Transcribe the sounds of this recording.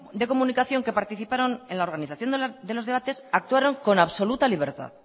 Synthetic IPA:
d̪e̞ko̞mũnikaθjo̞ŋke̞paɾt̪iθipaɾo̞nenlao̞ɾɣ̞aniθaθjo̞nd̪e̞lo̞zðeat̪e̞sak̚t̪uaɾo̞ŋko̞naβso̞lut̪aliβ̞e̞ɾt̪a̰ð

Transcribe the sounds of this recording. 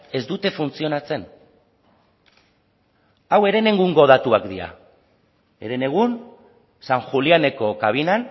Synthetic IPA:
e̞zd̪ut̪e̞funt͡sio̞nat͡se̞n | awe̞ɾe̞ne̞ŋɡuŋɡo̞ð̞at̪uakd̪iɾa̰ | e̞̰ɾe̞ne̞ɣ̞un | saŋxuliane̞ko̞kaβinan

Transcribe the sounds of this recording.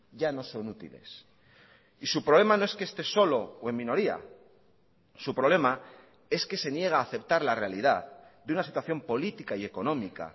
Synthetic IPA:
ʝano̞so̞nut̪ḭle̞̰s | isupɾo̞βle̞mano̞eskest̪e̞so̞lo̞oe̞mĩno̞ɾia̰ | supɾo̞βle̞ma | e̞ske̞se̞nje̞ɣ̞aːθe̞p̚t̪aɾlare̞aliðaðd̪unasit̪waθjo̞mpo̞lit̪ikaie̞ko̞nõ̞mika̰

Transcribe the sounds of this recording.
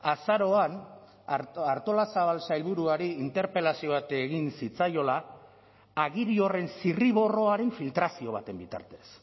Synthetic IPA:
asaɾo̞an | aɾt̪o̞lasaβalsajlβuɾuaɾiint̪e̞ɾpe̞lasio̞βat̪eɣinsit͡sajo̞la | aɣiɾio̞re̞nsiriβo̞ro̞aɾe̞ɱfilt̪ɾasio̞β̞at̪e̞mbit̪a̰ɾt̪e̞s

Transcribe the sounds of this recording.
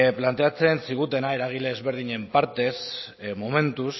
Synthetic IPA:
plant̪e̞at͡sensiɣ̞ut̪e̞nae̞ɾaɣ̞ile̞ːzβe̞ɾð̞iɲe̞mpaɾt̪e̞s | mome̞nt̪us

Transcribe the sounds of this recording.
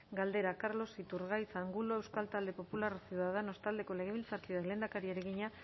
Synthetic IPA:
ɡald̪e̞ɾakaɾlo̞sit̪uɾɣajt͡saːŋɡuloe̞wskalt̪ald̪e̞po̞pulaɾsjuðaðano̞st̪ald̪e̞ko̞le̞ɣ̞e̞β̞ilt͡saɾkiðale̞ːnd̪akaɾieɾeɣiɲa

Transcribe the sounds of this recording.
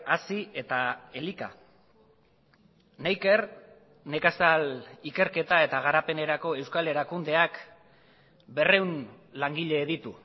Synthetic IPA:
asie̞t̪ae̞lika̰ | najke̞r | ne̞kasalike̞ɾke̞t̪ae̞t̪aɣ̞aɾape̞ne̞ɾako̞e̞wskale̞ɾakund̪e̞ak | be̞re̞wn | laŋɡiʎe̞ːðit̪u

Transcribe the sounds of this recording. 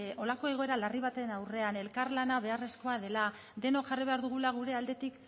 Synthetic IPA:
o̞lako̞e̞ɣo̞e̞ɾalariβ̞at̪e̞nawre̞ane̞lkarlanaβ̞e̞are̞sko̞aðe̞la | d̪e̞no̞kʝariβ̞e̞aɾðuɣ̞ulaɣ̞uɾe̞ald̪e̞t̪ik

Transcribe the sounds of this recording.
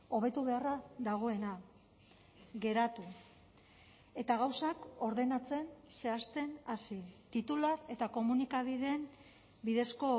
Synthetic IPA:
o̞β̞e̞t̪uβe̞araðaɣ̞o̞e̞na | ɣe̞ɾat̪u | e̞t̪aɣawsako̞ɾðe̞nat͡se̞nse̞ast̪e̞nasit̪it̪ulae̞t̪ako̞munikaβ̞iðe̞m | biðe̞sko̞

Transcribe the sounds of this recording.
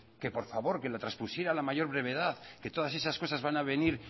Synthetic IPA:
ke̞po̞ɾfaβo̞ɾke̞lat̪ɾaspusje̞ɾalamaʝo̞ɾβɾe̞β̞e̞ðaðke̞t̪o̞ðas̬esasko̞sazβanaβe̞niɾ

